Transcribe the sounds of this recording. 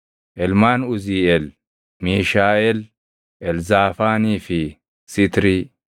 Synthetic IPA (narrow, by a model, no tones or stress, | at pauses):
ʔɛlmaːnʊziːɛl | miːʃaːɛl | ʔɛlzaːfaːniːfɪ | sɪt̪ɾiː